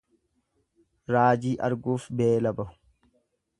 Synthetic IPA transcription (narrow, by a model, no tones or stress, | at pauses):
ɾaːd͡ʒiːʔɐɾɡuːfbeːlɐbɐhʊ̥